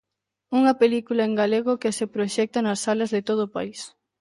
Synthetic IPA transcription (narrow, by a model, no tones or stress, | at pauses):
uŋɐpelikulɐeŋɡaleɣokesepɾoʃɛk̚t̪ɐnɐsːalɐzðet̪oð̞ʊːpa̰is